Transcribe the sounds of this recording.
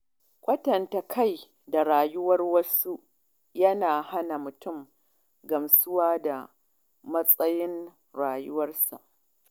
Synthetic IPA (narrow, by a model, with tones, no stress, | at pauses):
kʷʼɐ˦tɐ˨nta˨kʰa˦˨j | da˨ɽaː˨jʊ˦wɐ˦rwɐ˦su˦ʔ | jɐ˦naː˨ha˦na˨mʊ˨tʊ˦˨m | ɡɐ˨msʊ˦waː˦da˨ | mɐ˦sʼɐ˦jɪ˦n | ɽaː˨jʊ˦wɐ˦rsa̰˨ʔ